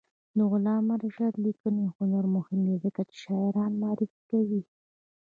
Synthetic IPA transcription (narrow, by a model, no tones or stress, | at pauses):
d̪əɣʊlɑːmaɾaʃad̪likənixʊnoɾmʊhɪmd̪izəkat͡ʃɪ̥ʃɑɪɾɑːnmɑːɾʔɪfkawi